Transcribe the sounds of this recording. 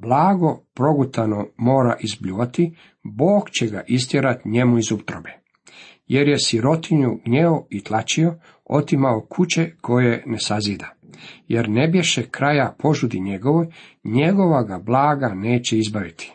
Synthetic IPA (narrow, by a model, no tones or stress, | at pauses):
blˠaːɡo̞pɾo̞ɡut̪anomo̞ːɾaʔizbʎuʋat̪i | boːkt͡ɕe̞ɡa̰ʔis̬t̪jeɾat̪ɲe̞muizupt̪ɾobe | jeɾje̞siɾo̞t̪iɲuɡɲeoit̪lˠat͡ɕio̞ | o̞̰t̪imaokʰut͡ɕe̞kʰo̞jene̞saziːd̪aje̞ɾnebje̞ʃekɾajapʰo̞ʒud̪iɲe̞ɡo̞ʋojɲe̞ɡo̞ʋaɡablˠaːɡane̞ːt͡ɕeizbaʋit̪ʰi̥